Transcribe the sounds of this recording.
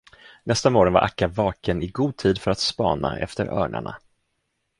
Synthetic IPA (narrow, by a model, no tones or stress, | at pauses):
nɛst̪amoːɾɔnva̰ɾʔakːavɑːkənɪɡuːd̪̚t̪ʰiːd̪fœɾat̪spɑ̰ːna̰ɛ̰ft̪əɾœ̰ːɳa̰ɳa